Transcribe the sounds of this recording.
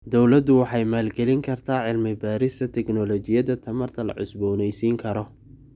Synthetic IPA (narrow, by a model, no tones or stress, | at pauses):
d̪ɔwlɐd̪ʊwɑħɑjmaːlɡɛlɪŋkʰɐrt̪ʰaːʕɪlmɪbaːɾɪst̪ʰɐt̪ʰɛɡnɔlɔːt͡ʃɪjɐðɐt̪ʰɐmɐrt̪ʰɐlɐ̰ʕʊsbɔːnɛjsiːŋkʰɐɾɔ